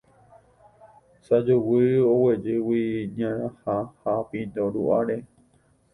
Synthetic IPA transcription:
sad͡ʒuwɨowed͡ʒɨwiɲãɾãhahapĩnd̪oɾṵʔaɾe

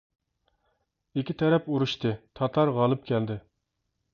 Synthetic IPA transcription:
ɪkʲit̪ʰɛɾɛpuɾuʃt̪ɨt̪ʰɑt̪ʰɑɾʁɑlˠɨpkʲʰɛld̪ɪ

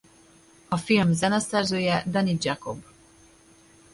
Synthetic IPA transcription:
ɒfilmzɛnɛsɛrzøːjɛd̪ɛnid̪d͡ʒako̞b

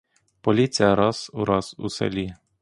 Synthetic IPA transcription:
polʲit̪sʲijaɾɑsuɾɑsṵsɛ̰lʲi

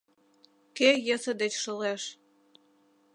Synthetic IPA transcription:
kejə̆sə̆d̪et͡ɕʃə̆leʃ

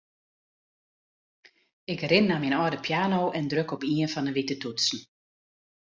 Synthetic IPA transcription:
ɪkrɪnnaminɔːdəpʰjaːnoʔɛndrøkɔpiənfɑnəʋitətutsn̩

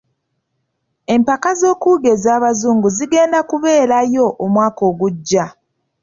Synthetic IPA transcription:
e̞mpakazo̞ːkuɡe̞zaːβazuːŋɡuziɡe̞ːndakuβe̞ːɾajo̞ʔːmwaːko̞ːɡuɟːa

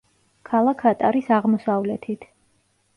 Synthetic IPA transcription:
kʰalˠakʰːat̪ʼaɾisaʁmɔsavlɛt̪ʰit̪ʰ

